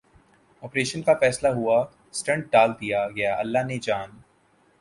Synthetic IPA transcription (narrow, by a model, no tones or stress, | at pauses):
ɔːpɾeːʃənkafɛːslaɦua | sʈɐ̃ɳʈ̚ɖaːld̪ijaɡɐjaʔɐ̰lːaɦned͡ʒaːn